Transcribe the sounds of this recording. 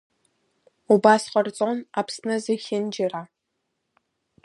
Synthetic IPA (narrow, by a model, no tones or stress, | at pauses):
ubaːsqɐrt͡sʼonaːpʰsnɐzɨxʲɪnd͡ʒɪraː